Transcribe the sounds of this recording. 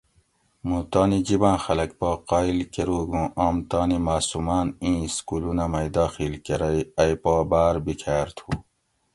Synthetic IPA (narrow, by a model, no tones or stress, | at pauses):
mũt̪aːnid͡ʑibãːxɐlɐk̚paːqaːilkeɾuːɡũʔaːmt̪aːnimaːsumaːnĩːskulunamɐjd̪aːxilkeɾɐjɐjpaːbaːɾbikʰaːɾt̪ʰuː